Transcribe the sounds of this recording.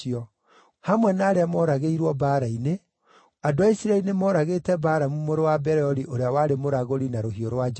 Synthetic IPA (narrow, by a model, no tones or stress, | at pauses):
iɔ | hamwɛnaːɾeamɔɾaɣeiɾwɔbaːɾaine | adoaisiɾaeɾinemɔɾaɣetɛbaːɾamumoɾowabɛɾɛɔɾiʔoɾeawaɾemoɾaɣoɾinaɾoɦioɾwad͡ʒ